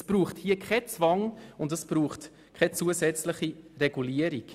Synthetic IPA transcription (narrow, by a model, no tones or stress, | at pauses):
əsb̥ɾuːχthiːəkχɛt͡svɑŋʊndəsb̥ɾuːχt | kʰɛt͡suəzɛt͡sləχirɛɡ̥uliəɾik